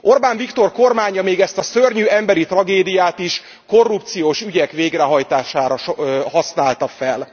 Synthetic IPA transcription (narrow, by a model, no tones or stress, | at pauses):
o̞rbaːɱvikt̪o̞rko̞rmaːɲɒmeːɡɛst̪ɒsørɲyɛmbɛɾit̪rɒɡeːd̪ijaːt̪iʃ | ko̞rːup̚t̪sijoːʃyɟɛkʋeːɡrɛɦɒjt̪aːʃaːɾɒʃɦɒsnaːlt̪ɒfɛl